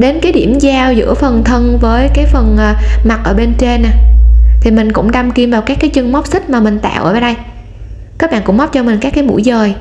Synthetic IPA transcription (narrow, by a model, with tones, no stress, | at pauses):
ɗe˨˦nkaː˨˦jɗi˧˩əmzaː˧wzɨ̰˧˥əfə˨˩nt̪ʰə˧nvəː˨˦jkaː˨˦jfə˨˩nʔːma˨˩t̚ʔəː˧˩ɓe˧nt͡ɕe˧na˨˩t̪ʰi˨˩mï˨˩ŋ̟kʊ̰˧˥ŋ͡mɗa˧mki˧əmvaː˨˩wkaː˦˥kːaː˨˦jt͡ɕɨ˧ŋma˦˥wk͡p̚sï˦˥t̚maː˨˩mï˨˩ŋ̟t̪a̰ː˧˨wʔəː˧˩və˧˩˦ɗə˧j | kaː˦˥k̚ɓa̰ː˧˨kʊ̰˧˥ŋ͡mma˦˥p̚t͡ɕɔ˧mï˨˩ŋ̟kaː˦˥kːaː˨˦mṵ˧˥˩jzəː˨˩j